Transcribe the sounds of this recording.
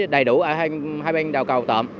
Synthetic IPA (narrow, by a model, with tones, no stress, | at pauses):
ɗə˨˩jɗu˧˩ʔəː˧˩ha˧ŋhaː˧jɓa˧ŋɗa˨˩wkə˨˩wt̪ə̰ː˧˨m